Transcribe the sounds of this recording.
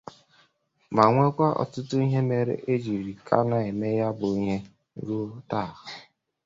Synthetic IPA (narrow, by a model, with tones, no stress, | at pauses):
ma˨ŋʷe˦kʷa˦ʔɔ̰˨tʊ˦tʊ˦i˦ɦe˦me˨ɾḛ˨˦ʔe˦d͡ʒi˨ɾi˨kʰa̰˦na˨e˨me˦ja˦bʊ˨i˦ɲe˦ | ɡu˦ta˦˨ɣa˨